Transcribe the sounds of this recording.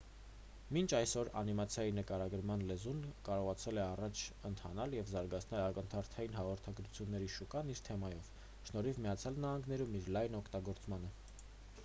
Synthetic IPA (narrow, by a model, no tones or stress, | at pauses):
mint͡ʃʰɑjsɔɾɑ̰nimɑt͡sʰjɑjinəkɑɾɑɡəɾmɑnlɛzunkɑɾɔʁɑt͡sʰɛlɛɑrɑt͡ʃʰənt̪ʰɑ̰nɑljɛvzɑɾɡɑt͡sʰnɛlɑkənt̪ʰɑɾt̪ʰɑjinɦɑʁɔɾt̪ʰɑɡɾut͡sʰjunːɛɾiʃukɑniɾt̪ʰɛmɑjɔv̥ | ʃnɔɾivmijɑt͡sʰjɑlnɑhɑŋɡnɛɾumiɾlɑjnɔkʰt̪ɑɡɔɾt͡smɑnə